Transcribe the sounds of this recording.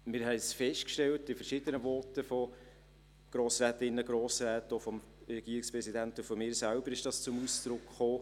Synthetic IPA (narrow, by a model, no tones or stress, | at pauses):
mɪɾɦɛɪsfɛʃtkʃtɛltɪfəɾʃɪdənəvɔtəfɔ | ɡ̥ɾoːsɾæːtɪnːəɡɾoːsɾæːtofɔm | ɾɛɡ̥iːɾɪkspɾɛsidæntʊfɔmɪːɾsælbəɾɪʃd̥ɑst͡sʊmuːsd̥ɾʊkχoː